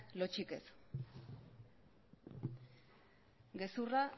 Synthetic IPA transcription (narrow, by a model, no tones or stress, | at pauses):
lo̞t͡ʃike̞s | ɡe̞sura